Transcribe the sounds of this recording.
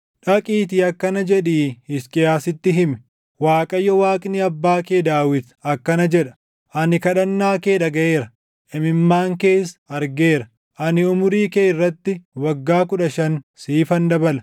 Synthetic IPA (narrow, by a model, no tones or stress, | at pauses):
ᶑɐkʼiːt̪iːɐkːɐnɐd͡ʒɛᶑiːhɪskʼɪjaːsɪt̪ːɪɦɪmɛ̥ | waːkʼɐjːɔwaːkʼniɐbːaːkeːd̪aːwɪt̪ɐkːɐnɐd͡ʒɛᶑɐ̥ | ʔɐnɪkɐᶑɐnːaːkeːᶑɐɡɐʔeːɾɐ | ʔɛmɪmːaːŋke̞ːsɐɾɡeːɾɐ | ʔɐnɪʊmʊɾiːkeːɪrːɐt̪ːɪwɐɡːaːkʊᶑɐʃɐnsiːfɐnd̪ɐbɐlɐ